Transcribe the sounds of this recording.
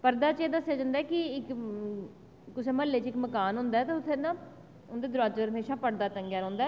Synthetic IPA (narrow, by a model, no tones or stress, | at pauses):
pəɾd̪aːt͡ʃeːd̪asjed͡ʒənd̪aɛːkɪɪk | ʊseːməlːeːt͡ʃɪkməkaːnɦʊ̃nd̪aɛːt̪eʊt̪ʰːẽːnãː | ʊnd̪eːd̪ʊɾaːt͡ʃəɾəmeːʃaːpəɾd̪aːt̪ə̃ŋɡjaːɾə̃ːʊ̃nd̪aɛ